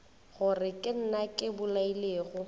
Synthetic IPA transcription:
ɣʊrɪkʼɪn̩nakʼɪbʊlaileːɣʊ

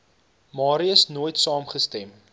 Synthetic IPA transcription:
mɑːɾiəsnuːəjtsɑːmχəstɛm

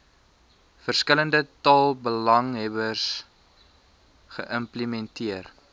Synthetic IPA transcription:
fərskələndətɑːlˠbəlɐŋɦɛbərs | χə̰ʔəmplimɛntiər

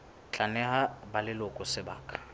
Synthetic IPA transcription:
t͡ɬʼanɛhabalɪlʊkʼɔsɪba̰ːkʼḁ

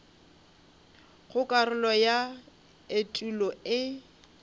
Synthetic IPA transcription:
ɣʊkʼarʊlɔja | etʼulɔɪ

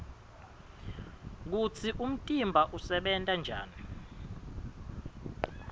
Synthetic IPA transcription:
k̬ut͡sʰiʔum̩tʼimbʱaʔusɛɓɛntʼand͡ʒʱa̰ːni

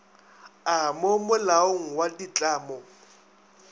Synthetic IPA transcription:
amʊmʊlaoŋ̩wadit͡ɬʼaːmɔ

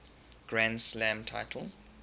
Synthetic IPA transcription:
ɡ̥ɹãndslãmtʰa̰ɪtʰəl̩

